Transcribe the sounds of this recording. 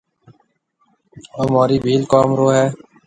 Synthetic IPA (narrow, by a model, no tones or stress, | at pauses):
oːmaːɾiːbʱiːlkaːmɾoːɦɛː